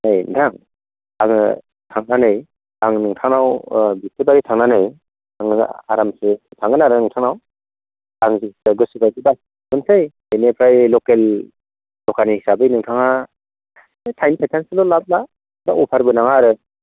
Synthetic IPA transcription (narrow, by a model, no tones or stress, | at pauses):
nɯjdaŋ | aŋɯ | tʰaŋnanɯj | aŋnɯŋtʰaŋawbistʰɯbaɾitʰaŋnanɯj | aŋɯa̰ɾamsɯtʰaŋɡɯnaɾɯnɯŋtʰaŋaw | aŋzisaɡɯsibajdiba | mɯnsʰɯj | ejnepʰɾajlɔkelː | ɔkanihisabɯjnɯŋtʰaŋa | tʰajnipʰajtʰansɯlɔlap̚la | baʔupʰaɾbɯnaŋaɾɯ